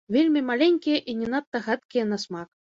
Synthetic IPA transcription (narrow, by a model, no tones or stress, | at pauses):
vʲelʲmʲimalʲɛnʲkʲijɐʔinʲɛnat̪ːɐɣat̪kʲijɐnasmak